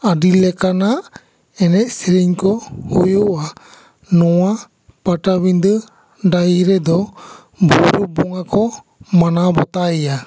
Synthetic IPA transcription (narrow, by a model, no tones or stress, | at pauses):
aɖilɛkanaʔ | ɛnɛʔ̪̚siɾiɲkɔhujuʔa | nɔwa | paʈabiɲd̪ə | ɖajiɾɛd̪ɔ | bʱuɾubɔŋakɔ | manabɔt̪aɛja